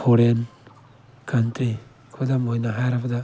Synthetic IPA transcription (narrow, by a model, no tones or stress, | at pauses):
pʰoɾen | kʰantɾi | kʰodamojnaɦaɾapada